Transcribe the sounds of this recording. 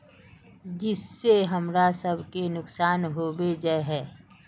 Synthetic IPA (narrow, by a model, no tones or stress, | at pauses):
d͡ʒɪsːeɦəmɾasəbʱkenʊksaːnɦobed͡ʒɛɦɛː